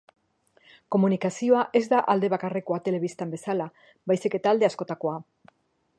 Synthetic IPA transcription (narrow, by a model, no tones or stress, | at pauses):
ko̞munikasio̞aʔe̞zd̪aʔald̪e̞β̞akare̞ko̞at̪e̞le̞β̞ist̪ambe̞sala | bajsike̞t̪aːld̪e̞asko̞t̪ako̞a